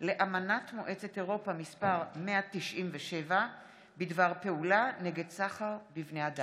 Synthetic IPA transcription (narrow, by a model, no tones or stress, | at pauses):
leʔamanatmoʔe̞t͡set̪eʁo̞pamispaʁmeat̪iʃʔimveʃe̞va | bid̪vaʁpe̞ulaneɡedsaχaʁbivnead̪a